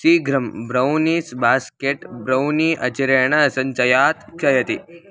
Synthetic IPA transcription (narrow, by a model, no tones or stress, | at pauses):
siːɡɾɐmbɾɐwniːsbaskeʈbɾɐwniʔɐt͡ʃiɾeɳɐːsɐnt͡ʃɐjaːt̪t͡ʃɐjɐt̪i